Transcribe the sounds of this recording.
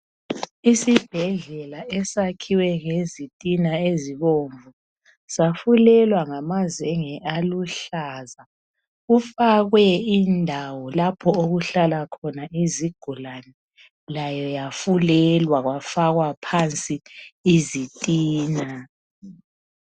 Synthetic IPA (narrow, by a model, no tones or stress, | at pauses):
isib̥ʱɛɮɛlaʔɛsakʰiwɛŋezitʼinaeziβoɱvu | safulɛlwaŋamaziɛŋɛʔaluɬaːza | ufaɣwɛindʱawɔlapʰɔoɣuɬalakʰɔnaʔiziɡ̥ʱulanɛ | lajɔjafulɛlwaɣwafaɣwapʰant͡sʼiizitʼiːna